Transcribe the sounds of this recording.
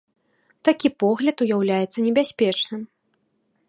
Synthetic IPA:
t̪akʲipɔɣlʲɐt̪ujawlʲajɛt̪sːɐnʲɛbʲasʲpʲɛt͡ʂnɨm

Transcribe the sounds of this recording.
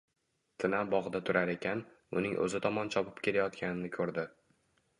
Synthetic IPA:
t̪ʰɪnabɒʁɨd̪at̪ʰʊɾaɾe̞kʲʰan | ʊ̰nɪŋʔɵ̰zɪt̪ʰɒmɒnt͡ʃʰɒpʰɪ̥p̚kʲʰe̞lajɒt̪kʲʰanɪnɪkʰɵɾd̪ɪ

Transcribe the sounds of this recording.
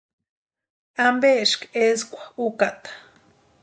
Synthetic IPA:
ambeʃkeskʷḁukat̪ḁ

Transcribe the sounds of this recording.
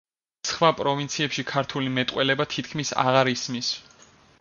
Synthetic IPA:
sχwapʼɾɔvint̪sʰiɛpʃikʰaɾt̪ʰulimɛt̪ʼqʼwɛlɛbat̪ʰit̪ʰkʰmisa̰ʁaɾismis

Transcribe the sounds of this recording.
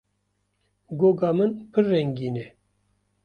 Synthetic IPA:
ɡoːɡɑːmɨnpʰɨrːɛŋɡiːnɛ

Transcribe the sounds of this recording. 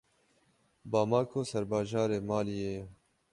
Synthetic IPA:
bɑːmɑːkʰoːsɛɾbɑːʒɑːɾeːmɑːlijeː

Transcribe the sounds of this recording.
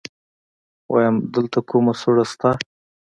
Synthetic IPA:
wʔa̰jamd̪əlt̪akumasoɽast̪a

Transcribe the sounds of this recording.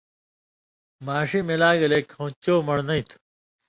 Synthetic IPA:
maːɕimelaːɡɐleːkʰõt͡ɕoːmɐɽnɐit̪ʰu̥

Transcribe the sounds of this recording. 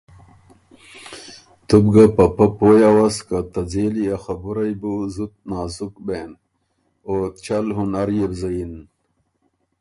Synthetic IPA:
t̪ubɡapɐpɐpoːjawaskat̪ɐd͡zeːlijaxabuɾajbuzut̪̚naːzukben | ot͡ɕɐlɦunɐɾjebzɐin

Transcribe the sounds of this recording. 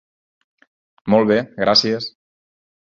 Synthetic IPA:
mɔlˠβ̞eɣɾasiəs

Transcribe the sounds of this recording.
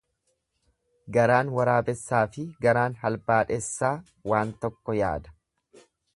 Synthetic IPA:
ɡɐɾaːnwɐɾaːbɛsːaːfɪɡɐɾaːnɦɐlbaːᶑɛsːaː | waːnt̪ɔkːɔja̰ːd̪ɐ̥

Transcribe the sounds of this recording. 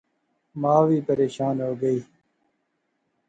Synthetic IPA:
mãːwiːpəɾeːʃaːnɦoːɡəiː

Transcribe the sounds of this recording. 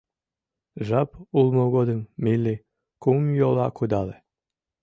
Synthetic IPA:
ʒɑpulˠmoɡod̪ə̆ŋmilːi | kumjolˠɑkʰud̪ɑlˠe

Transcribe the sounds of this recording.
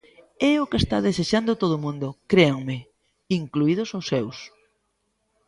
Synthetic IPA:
ɛʊkest̪aðeseʃand̪ot̪oð̞ʊmũnd̪ʊkɾeaŋmɪ | iŋkluið̞ʊsosːews

